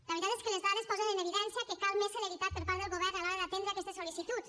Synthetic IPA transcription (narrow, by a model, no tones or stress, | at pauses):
laβɾt̪at̪eskelezβaðespowzeɾeneβ̞iðensjakekaðmeseleβit̪at̪peɾpaɾðelɣo̞βeɾnalawat̪end̪ɾake̞st̪eso̞liθit̪ut̪